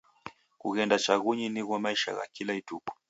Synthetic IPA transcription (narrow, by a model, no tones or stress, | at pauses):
kuɣɛndat͡ʃaɣuɲiniɣwɔmaiʃa̰ɣa̰kilaitukɔ̥